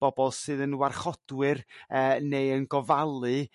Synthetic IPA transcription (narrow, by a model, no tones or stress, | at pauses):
b̥ɔbɔlˠsɨːðənwarχɔd̥wɨrəːnejənɡɔvalˠɨ